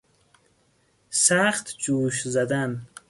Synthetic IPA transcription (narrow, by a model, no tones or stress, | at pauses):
saχt̪d͡ʒuːʃzad̪an